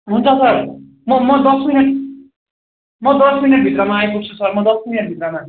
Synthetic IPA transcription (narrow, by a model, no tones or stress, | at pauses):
ɦunt͡sʰʌsʌr | mʌmʌd̪ʌsmineʈ̚ | mʌd̪ʌsminʌʈ̚bʱit̪rʌmaːjpuk̚t͡sʰusʌrmʌd̪ʌsmineʈ̚bʱit̪rʌma